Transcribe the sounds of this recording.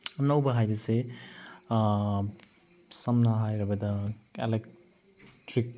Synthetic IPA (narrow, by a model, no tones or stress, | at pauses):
nɐwbɐɦajbɐse | sɐmnaɦajɾɐbɐdɐelek | tɾik̚